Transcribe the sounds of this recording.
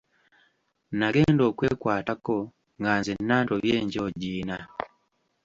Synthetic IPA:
naɡeːndoːkweːkwaːtako | ŋɡaːnzenːaːntoβjeːɲɟoɟiːna

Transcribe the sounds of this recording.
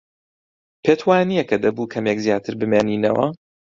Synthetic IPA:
pʰet̪ʰwaːnijɛkɐd̪ɐbuːkʰɐmjɛkzjaːt̪ʰɨɾbɨmeːniːnɐ̰wɐ̰

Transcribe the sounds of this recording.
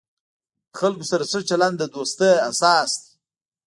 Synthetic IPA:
d̪əxalkosaɾaʂət͡ʃaland̪əd̪ost̪əasɑsd̪i̥

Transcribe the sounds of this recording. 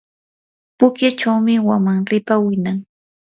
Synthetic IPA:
pʊkjat͡ʃawmɪwamaŋɾɪpawɪnaŋ

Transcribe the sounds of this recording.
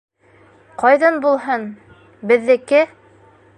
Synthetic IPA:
qɑjðɑnbulˠɦɤn | bɘ̆ðːɘ̆kɘ

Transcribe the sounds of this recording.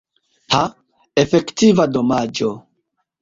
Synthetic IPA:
ha | efe̞ktivado̞mad͡ʒo

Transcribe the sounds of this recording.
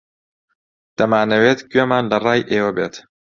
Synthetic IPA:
d̪̥ɐmaːnɐweːt̪ɡɥemaːnlɐrˤɑːjʔeːwɐbeːt̪

